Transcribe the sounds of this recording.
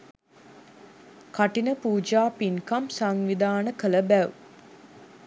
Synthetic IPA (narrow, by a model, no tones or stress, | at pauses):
kaʈinəpuːd͡ʒaːpinkamsaŋʋid̪aːnəkələbæw